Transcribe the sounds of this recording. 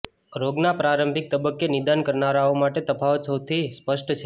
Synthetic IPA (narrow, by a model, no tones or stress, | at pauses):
ɾoɡnapɾaɾəmbʱik̚t̪əbəkːenɪd̪ankəɾnaɾaomaʈet̪əpʰaʋət̪səwt̪ʰispəʃʈt͡ʃʰe